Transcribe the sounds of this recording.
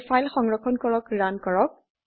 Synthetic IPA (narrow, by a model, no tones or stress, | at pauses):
fajlxɔŋɹɔkʰɔnkɔɹɔkɹankɔɹɔk̚